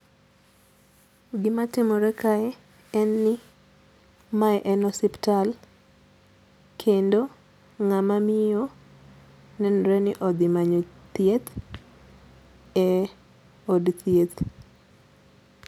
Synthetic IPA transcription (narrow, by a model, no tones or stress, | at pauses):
ɡɪmatɪmoɾɛkaɛ | ɛnːɪ | maɛʔɛnɔsiptal | kʰendo | ŋamamɪjo | nɛnɾɛnɪʔɔd̪ɪmaɲot̪jet̪ | ɛ | odt̪jet̪